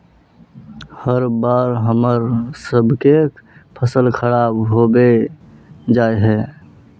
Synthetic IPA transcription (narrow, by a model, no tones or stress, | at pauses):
həɾbaːɾɦəməɾsəbʱkekpʰəsəlkʰəɽaːbɦobe | d͡ʒaːeɦɛː